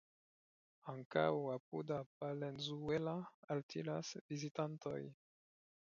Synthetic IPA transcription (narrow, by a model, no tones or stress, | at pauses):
aŋka̰wapudapalenzuelaaltʰilasvizitanto̰j